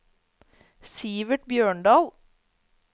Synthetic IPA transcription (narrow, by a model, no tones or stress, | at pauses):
siːʋəʈbjøːɳɖɑːl